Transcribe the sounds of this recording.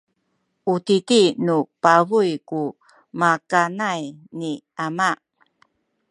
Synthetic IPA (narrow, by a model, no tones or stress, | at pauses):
utitinupavujku | makanajni | amaʔ